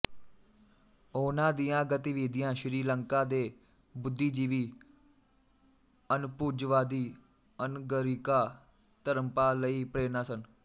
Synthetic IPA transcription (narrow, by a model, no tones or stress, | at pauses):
oːnãːd̪ijãːɡət̪ɪʋiːd̪ɪjãːʃɾiːləŋkaːd̪eː | bʊd̪ːiːd͡ʒiːʋiː | ənpuːd͡ʒʋaːd̪iː | ənɡəɾiːkaː | t̪əɾəmpaːləiːpɾeːnaːsən